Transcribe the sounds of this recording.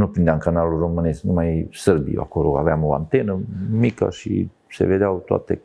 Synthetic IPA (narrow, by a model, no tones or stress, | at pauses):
nupɾind̪eamkanaluromɨnesknumajsəɾbḭa̰koloa̰veamoa̰nt̪enəmikə̰ʃḭ | sḛved̪eawt̪oa̰t̪ḛ